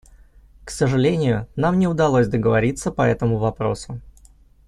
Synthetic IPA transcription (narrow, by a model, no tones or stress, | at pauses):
ksəʐɨlʲenʲɪjʊnamnʲɪʊd̪ɐlˠo̞zʲd̪əɡəvɐɾʲit̪səpɐɛt̪əmʊvɐpɾo̞̰sʊ